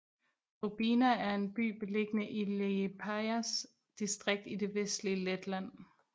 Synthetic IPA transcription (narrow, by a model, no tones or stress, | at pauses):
ʁob̥iːnææɐe̝nb̥y̰ːb̥e̝le̝ɡ̥ənəʔilepʰæɪæs | d̥isd̥ʁeɡ̥̚d̥id̥e̝ʋesd̥liəled̥læn̰